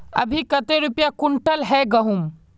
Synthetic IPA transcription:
ə̰bʱikət̪eɾʊpjakʊɳʈəlɦɛɡəɦum

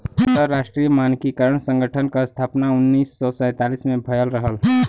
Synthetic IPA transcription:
ənt̪əɾːaʃʈɾijəmankikəɾəɳ̃sə̃ŋɡʱəʈʰənkast̪ʰapnaʊnːiːsːɔsə̃t̪alismẽbʱəjəlɾəɦəl

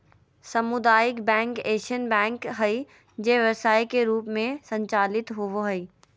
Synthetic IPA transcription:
sɐmʊd̪aːjɪkbɛ̃ːŋkeːʃənbɛ̃ːŋkɦɐi | d͡ʑeɦʋɐsaːikeɾuːpmẽsɐ̃ɲt͡ʃaːlɪt̪ɦʊʋoɦɐiː

